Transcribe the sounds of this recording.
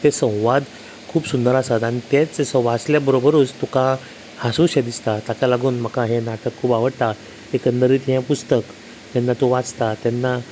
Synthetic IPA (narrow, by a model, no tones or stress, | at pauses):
t̪esə̃w̃ʋad̪ | kʰuːbsund̪əɾasat̪aɽ̃it̪et͡ssəʋat͡sljabəɾobəɾuːt͡st̪uka | hasuɕed̪ist̪at̪akalaɡuːnm̤əkãɦenaʈəkʰːuːpaʋəɽt̪a | ekənd̪əɾiːt̪ɦãpust̪ək | t̪ɛnːat̪oʋat͡st̪at̪jɛnːa